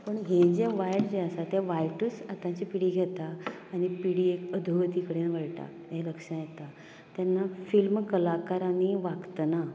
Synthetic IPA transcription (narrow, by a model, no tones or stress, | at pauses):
pəɳɦẽd͡zeʋajʈd͡ʑeəsat̪eʋajʈəsat̪ãt͡ɕipiɽiːɡʱet̪aː | ɽ̃ipiɽiːekəd̪ʱuʋət̪ikəɽenʋəɭʈa̰ | ɦẽləkʂãjɛt̪a | t̪janːafilmkəlakaɾaniʋaɡt̪əna